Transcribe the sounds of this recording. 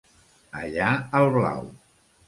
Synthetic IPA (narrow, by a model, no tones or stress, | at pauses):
ə̰ʎaəlˠβla̰w